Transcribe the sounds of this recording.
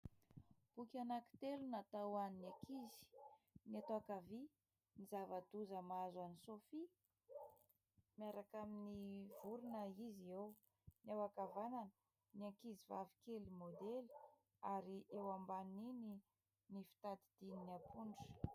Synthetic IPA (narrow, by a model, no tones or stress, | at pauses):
b̥ukʲanaki̥t̪elunat̪awaninakʰizi̥nat̪oakavi | nizavad̪uzəmazanisofi | miaɾakaminivuɾunəizew | newakavananə | niakizivavi̥kelimod̪eli̥ | aɾiʔewambanini | nifi̥t̪ad̪id̪̥ininiapʰuɳɖ͡ʐə̥